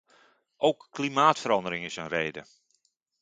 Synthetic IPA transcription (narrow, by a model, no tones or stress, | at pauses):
ʔowkːlimaːtfəɾɑndəɾɪŋɪsənreːdə